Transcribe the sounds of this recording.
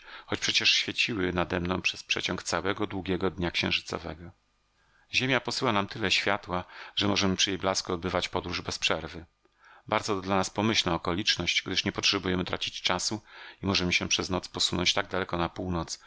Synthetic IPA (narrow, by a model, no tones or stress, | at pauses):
xɔt͡ɕpʂɛt͡ɕɛʂɕfʲjɛt͡ɕiwɘnad̪ɛmnɔ̃w̃pʂɛspʂɛ̰t͡ɕɔ̃ŋkt̪sawɛɡɔd̪wuɡʲjɛɡɔd̪ɲakɕɛ̃ʐɘt̪sɔ̰vɛ̰ɡɔ | ʑemʲjapɔsɘwanamt̪ɘlɛɕfʲjat̪waʐ̥ɛmɔʐɛmɘpʂɘjejblaskuɔd̪̚bɘvat͡ɕpɔd̪ɾuʐbɛspʂɛɾvɘ | baɾd̪zɔd̪lanaspɔmɘɕlnaɔkɔlʲit͡ʂnɔɕt͡ɕɡd̪ɘʂɲɛpɔtʂɛbujɛmɘt̪ɾʔat͡ɕit͡ɕt͡ʂasuimɔʐɛmɘɕɛpʂɛznɔt̪spɔsunɔ̰ɲt͡ɕt̪aɡ̚d̪alɛkɔnapuwnɔt̪s